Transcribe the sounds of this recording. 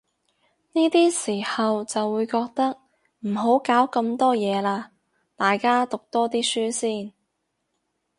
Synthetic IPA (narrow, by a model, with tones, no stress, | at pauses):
niː˥t̪iː˥siː˨˩hɐ˨wt͡sɐ˨wːuː˨˧jkɔː˧k̚t̪ɐ˥k̚ | m̩˨˩ɦo˨˥wkaː˨˥wkɐ˧mt̪ɔː˥jɛː˨˧laː˧ | t̪aː˨jkaː˥t̪ʊ˨k̚t̪ɔː˥t̪̬iː˥syː˥siː˥˩n